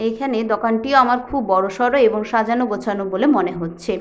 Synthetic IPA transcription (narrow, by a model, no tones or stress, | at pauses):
ekʰaned̪ɔkanʈioamaɾkʰubːɔɾoʃɔɾoeboŋʃad͡ʑanoɡot͡ɕʰanobolemoneɦotːɕʰe